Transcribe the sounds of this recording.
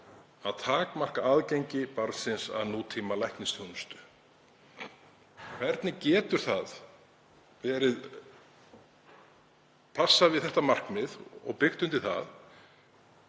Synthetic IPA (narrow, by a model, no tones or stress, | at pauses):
aðt̪ʰaːkmar̥kaaːðcejɲcɪpaɾsɪnsa̰ðnuːt̪ʰiːmalajhknɪst̪ʰœwnʏst̪ʏ̥ | kʰvɛɾt̪nɪcɛːt̪ʏɾ̥θað | vɛɾɪð | pʰasːavɪðθɛht̪amar̥kmɪðɔ̰ɣpɪxt̪ʏnt̪ɪɾ̥θa̰ð